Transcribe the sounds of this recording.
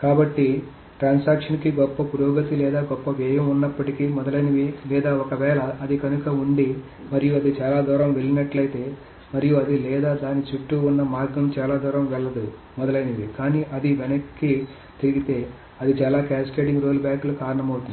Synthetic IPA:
kaːbɐʈːi | ʈɾaːnsaːkʂɐnkiɡɔpːɐpuɾɔːɡɐt̪ilɛːd̪aːɡɔpːɐʋɛːjɐmunːɐpːɐʈikimɔd̪ɐlɐjnɐʋilɛːd̪aːɔkɐʋɛːlɐːd̪ikɐnukɐuɳɖi | mɐɾijuɐd̪it͡ʃaːlaːd̪ɔːɾɐmʋe̞ɭːinɐʈlɐjit̪e̞ː | mɐɾijuɐd̪ilɛːd̪aːd̪aːnit͡ʃuʈːuːnːɐmaːɾɡɐmt͡ʃaːlaːd̪ɔːɾɐmʋɛɭːɐd̪u | mɔd̪ɐlɐjnɐʋikaːniːʔɐd̪iʋɛnɐkːi | t̪iɾiɡit̪e̞ː | ɐd̪it͡ʃaːlaːkaːskeːɖiŋɡɾoːlbjaːkulukaːɾɐɳɐmɐwut̪und̪i̥

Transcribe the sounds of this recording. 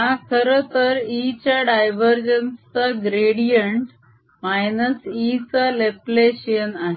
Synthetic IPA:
ɦãkʰəɾət̪əɾit͡ɕaɖajʋəɾd͡ʑənst͡saɡɾeɽijəɳʈ | majnəsit͡salepleɕənaɦe

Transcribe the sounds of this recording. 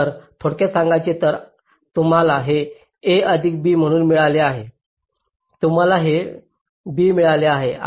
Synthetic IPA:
əɾt̪ʰoɽkasãŋɡat͡ɕet̪əɾ | t̪um̤alaɦe | eəd̪ʱiːk̚biːm̤əɽ̃uːnmiɭaleaɦe | t̪um̤alaɦe | biːmiɭaleaɦe

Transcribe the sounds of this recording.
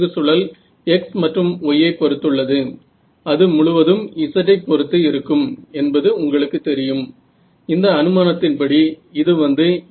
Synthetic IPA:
ɯsʊɭɐl | ɛksmɐʈrɯmɔjːɐɪpːɔɾɯt̪ːɯɭːɐðɯ | ɐðɯmʊɭʊʋɐðɯmɪsɐʈːɐɪpːɔɾɯt̪ːɯɪɾɯkːɯmɛnbɐðɯʊŋɡɐɭɯkːɯt̪ːɛɾɪjɯm | ɪnd̪ɐːnɯmaːnɐt̪ːɪnpɐɽiɪðɯʋɐnd̪ɯ

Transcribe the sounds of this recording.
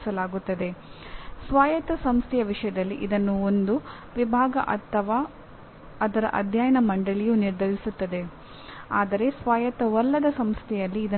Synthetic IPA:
sɐlaːɡut̪ːɐd̪e̞sʋaːjɐt̪ɐsɐmst̪ʰɛjɐʋiʂɐjɐd̪ɐlːiʔid̪ɐnːuo̞nd̪u | ʋibʱaːɡɐ̰ʔɐ̰t̪ʰːɐʋaː | ɐd̪ɐɾɐ̰ʔɐ̰d̪ʱjaːjɐnɐmɐɳɖɐɭijuniɾd̪ʱɐɾisut̪ːɐd̪e̞ | aːd̪ɐɾe̞sʋaːjɐt̪ɐʋɐlːɐd̪ɐsɐmst̪ʰɛjɐlːiːd̪ɐ

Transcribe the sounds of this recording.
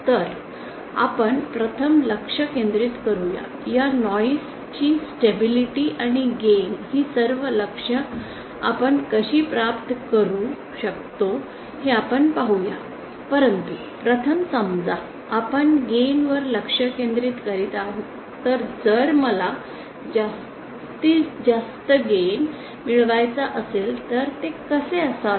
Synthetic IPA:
t̪əɾ | a̰pəɳpɾət̪ʰəmləkʂəkẽnd̪ɾiːt̪kəɾuja̰ | janɔjs | t͡ɕiːsʈebiliʈiʔaɽ̃iɡenhiːsəɾʋələkʂə | a̰pəɳkəɕiːpɾapt̪kəɾu | ɕək̚t̪o | heapəɳpaɦuja | pəɾənt̪u | pɾət̪ʰəmsəmd͡zaː | pəɳɡenʋəɾləkʂəkẽnd̪ɾiːt̪kəɾiːt̪aɦu | t̪əɾd͡zəɾməla | d͡zas | t̪id͡zast̪əɡen | miɭʋajt͡saʔəselt̪əɾt̪ekəseəsa

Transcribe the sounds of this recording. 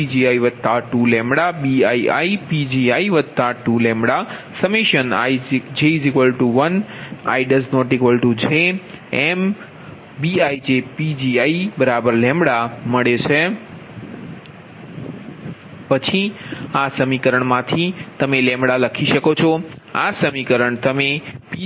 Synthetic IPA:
id͡ʒiaiʋəd̪̚ʱt̪aʈulɛ̃mbɽaɓiaia̰ipid͡ʒiaiʋəd̪̚ʱt̪aʈulɛ̃mbɽa | səmiʃəna̰id͡ʒezikʋəlʈuʋəna̰iɖəznɔʈikʋəlʈud͡ʒeem | biaid͡ʒepid͡ʒiaibəɾabəɾlɛ̃mbɽaməɭet͡ʃʰe | pət͡ʃʰiasəmikəɾəɳmãt̪ʰit̪əmelɛ̃mɽaləkʰiʃəkot͡ʃʰɔ | asəmikəɾəɳt̪əmep

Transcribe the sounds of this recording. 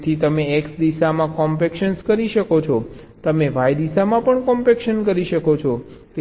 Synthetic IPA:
t̪ʰit̪əmeeksd̪isamãkɔmpekʃənskəɾiʃəkot͡ʃʰɔ | t̪əmeʋajd̪isamãpəɳkɔmpekʃənkəɾiʃəkot͡ʃʰɔt̪e

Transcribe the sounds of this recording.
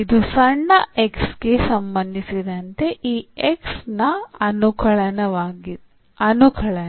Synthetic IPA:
id̪usɐɳːɐeksɡe̞sɐmbɐnd̪ʱisid̪ɐnt̪e̞ʔiːeksnɐɐnukʰɐɭɐnɐʋaːɡi | ɐnukʰɐɭɐn

